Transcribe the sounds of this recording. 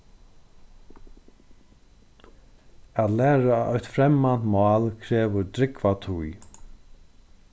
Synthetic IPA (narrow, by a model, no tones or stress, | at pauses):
æːt̪læːɾaʔɔjht̪fɾɛmːan̥t̪mɑːlkʰɾɛːʋʊɾt̪ɾɪkvat̪ʰuj